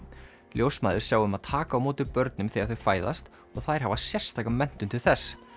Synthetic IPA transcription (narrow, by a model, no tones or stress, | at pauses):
ljowsmaːðʏɾ̥sjaːwðʏmaðt̪ʰaːkaːwmoːt̪ʏpœɾt̪nʏmθiaðθʏfaːjða̰st̪ | ɔɣθajɾ̥ɦavasjɛr̥st̪ʰaːkamɛn̥t̪ʏmt̪ʰɪlθɛsː